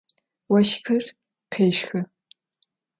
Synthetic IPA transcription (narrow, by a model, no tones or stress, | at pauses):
wɐʃkʰɨr | qʰeːʂxɐ